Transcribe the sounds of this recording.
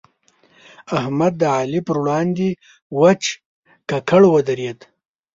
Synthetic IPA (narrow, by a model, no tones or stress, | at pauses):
ahmad̪ːəʕaːlipəɾwɽɑnd̪i | wat͡ʃ | kakʰaɽwad̪aɾed̪